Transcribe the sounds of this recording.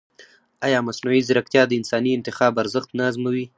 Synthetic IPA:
ajɑmasnuizɪɾakt̪jɑd̪əɪnsɑniɪnt̪ɪxɑːbaɾzəxt̪naːzmawi

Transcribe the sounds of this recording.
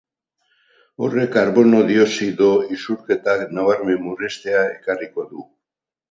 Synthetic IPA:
o̞re̞kaɾβo̞no̞ðio̞siðoisuɾke̞t̪aknaβaɾme̞murest̪e̞ae̞kariko̞ðu

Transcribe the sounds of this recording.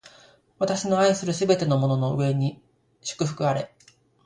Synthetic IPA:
βat̪aɕino̞aisɨɾɯ̟sɨbe̞t̪e̞no̞mo̞no̞no̞ɯ̟̰e̞ɲ̟i | ɕɨ̥kɯ̟ɸɯ̟̥kɯ̟aɾe̞

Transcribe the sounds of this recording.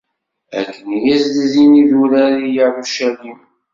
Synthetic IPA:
æ̰kːənjæsd̪ziniðuɾæɾijaɾuʃælim

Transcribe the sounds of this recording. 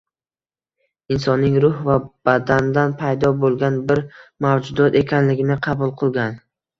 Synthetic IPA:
ɪnsɒnːɪŋɾʊhvab̥ad̪and̪anpʰajd̪ɒbolˠɡʲanbɪɾmavd͡ʒʊd̪ɒt̪e̞kʲʰanlɪɡʲɪnɪqʰɑbʊlˠqʰɨlˠɡʲan

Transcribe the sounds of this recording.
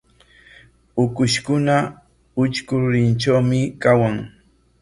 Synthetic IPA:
ʊkʊʃkʊna | ʊt͡ʃkʊɾɪnt͡ʃawmɪkawaŋ

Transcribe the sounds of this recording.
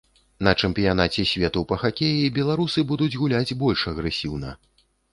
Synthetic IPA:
nɐt͡ʂɛmpʲijan̪at͡sʲɛsʲvʲɛt̪upɐxakʲejibʲɛlˠaɾusɨbud̪ud͡zʲɣulʲad͡zʲbɔlʲʂɐɣɾɛsʲiwn̪ɐ̰

